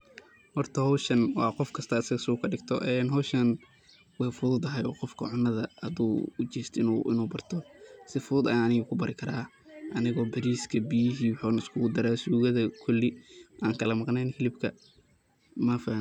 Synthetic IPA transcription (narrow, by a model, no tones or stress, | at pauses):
hɔrt̪ʰɐhɔʃɐnwɑːqɔfkʰɐst̪ʰɐːsɐɣɐsuːkʰɐɖɪɡt̪ʰɔ̰ʔɛːnɦɔʃɐn | wɑfʊðʊd̪ɐɦɛjɔːqɔfkʰɐ̰ʕʊnːɐðɐhɐðuːʊt͡ʃɛːst̪ɪnṵʔɪ̰nuːbɐrt̪ʰɔsɪfʊðʊd̪ɐɐnɪɣʊkʰʊbɐɾʔɪkʰɐɾaː | ʔɐnɪɣɔːbɐɾiːskʰɐbijɪɦiːwʊħʊːnɐɪskʰʊɣʊd̪ɐɾaːsuːɣɐðɐkʰʊlːɪʔaːŋkʰɐlɐmɑqnɛjnkɪlɪbkʰɐ | mɐfa